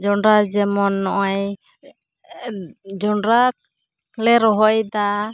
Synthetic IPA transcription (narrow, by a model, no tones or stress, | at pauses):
d͡ʒɔɳɾad͡ʒɛmɔnːɔʔɔj | d͡ʒɔɳɾa | lɛɾɔɦɔjd̪a